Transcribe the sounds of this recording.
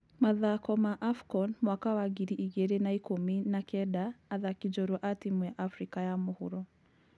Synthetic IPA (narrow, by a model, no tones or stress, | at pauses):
maðakɔmaʔafkɔnmwakawaɣiɾiʔiɣeɾenaikominakɛdaːðakid͡ʒɔɾwɔʔatimujaʔafɾikajamohṵɾɔ